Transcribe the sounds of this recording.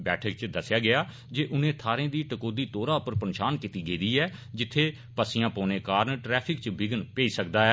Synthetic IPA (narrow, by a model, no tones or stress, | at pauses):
bɛːʈʰək̚t͡ʃd̪əsjaːɡɪaː | d͡ʒeːʔʊnẽːt̪ʰaːɾẽːd̪iːʈəkoːd̪iːt̪oːɾaːʊpəɾpənʃaːnkit̪iːɡeːd̪iːɛːd͡ʒɪt̪ʰːeː | pəsɪjãːpoːneːkaːɾnʈɾɛːpʰɪkt͡ʃbɪɡənpeːiːsəkd̪aːɛː